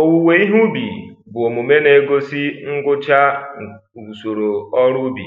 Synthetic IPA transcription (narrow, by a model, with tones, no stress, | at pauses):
o˦wu˨we˨i˦ɦu˦bḭ˨bʊ˨o˨mu˨me˦ne˨˦ɡo˦si˦ŋ̩˦ɡʊ˦t͡ʃa˦˨ | bu˨so˨ɾo˨ɔ˦ɾʊ˦bḭ˨